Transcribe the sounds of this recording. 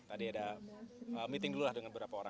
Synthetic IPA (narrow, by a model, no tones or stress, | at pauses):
t̪adiada | əmit̪ɪŋdululahdəŋanbəbɾapaoɾa